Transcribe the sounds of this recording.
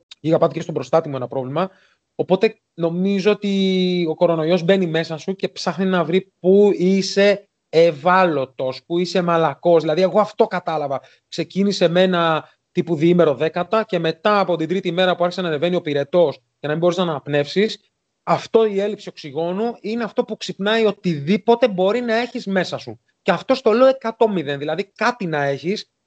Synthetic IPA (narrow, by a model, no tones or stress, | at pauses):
iɣɐpɐt̪icest̪obɾo̞st̪ɐt̪imuenɐpɾo̞vlimɐ | o̞po̞t̪e̞ | no̞mizo̞ot̪io̞ko̞ɾo̞no̞io̞zbe̞nime̞sɐsuce̞psɐxninɐvɾipuise̞ː | vɐlo̞t̪o̞spuise̞mɐlɐko̞zðilɐðie̞ɣo̞ɐft̪o̞kɐt̪ɐlɐvɐ | kse̞cinise̞me̞nɐ | t̪ipuðiime̞ɾo̞ðe̞kɐt̪ɐce̞me̞t̪ɐːpo̞t̪ind̪ɾit̪imeɾɐpuɐɾçi̥senɐneve̞nio̞piɾe̞t̪o̞s | cɐnɐmĩboisznɐɐpne̞fsis | ɐft̪o̞ie̞lipsio̞ksiɣo̞nuine̞ɐft̪o̞puksipnɐio̞t̪iðipo̞t̪e̞bo̞ɾinɐe̞çizme̞sɐsu | ceɐft̪o̞st̪o̞leoekɐt̪o̞miðe̞nðilɐðikɐt̪inɐe̞çis